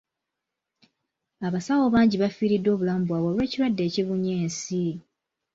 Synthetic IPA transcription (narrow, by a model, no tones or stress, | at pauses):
aβasawo̞βaːɲɟiβafiːɾidːo̞ːβulaːmbwaβwolwe̞ːciɾwadːe̞ːciβuɲeːnsi